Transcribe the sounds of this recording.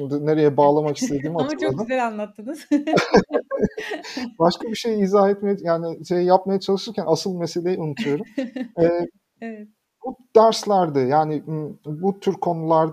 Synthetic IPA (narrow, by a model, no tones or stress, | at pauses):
imd̪ine̞ɾe̞jɛbaːlˠamaki̥st̪ʰe̞d̪iːmat̪ʰk̪ˠad̪ɯeɾanlˠat̪ʰːɯnz̥ | baʃkabiʃe̞jiizaːet̪mejɛjaːniʃe̞jijapmajat͡ʃʰalˠɯʃɯɾcænasɯlˠme̞se̞lʲe̞jiunut̪ʰujo̞ɾumɛː | bud̪̥æɾslʲæɾd̪ɯjaːnɪbut̪ʰyɾkʰo̞nulˠaɾ